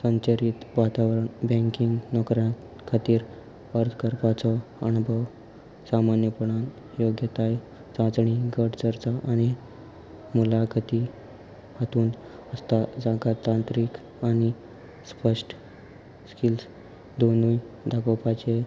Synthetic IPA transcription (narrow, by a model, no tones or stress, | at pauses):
səɲt͡ɕəɾit̪ʋat̪aʋɾəɳbɛ̃ŋkiŋɡnɔɡɾjã | kʰat̪iːɾ | əɾt̪ʰkəɾpat͡sɔənubʱəw | samanjəpəɽ̃an | joɡjət̪aj | t͡sãd͡zɳiɡʱəɽt͡səɾt͡saʔaɽ̃i | mulakʰat̪i | at̪uːn | əst̪ad͡zaɡat̪ãnt̪ɾiːk | aɽ̃i | spəʂʈ | skils | d̪onuːj | d̪akopat͡ɕe